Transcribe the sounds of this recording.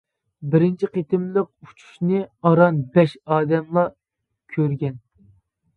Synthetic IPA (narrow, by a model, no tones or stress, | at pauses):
bɪɾɪnt͡ʃʰiqet̪ɪmlˠəq̚u̥t͡ʃʰu̥ʃnɨɑɾɑnbɛʃɑːd̪ɛmlˠɑ | kʲʰøɾɡʲɛn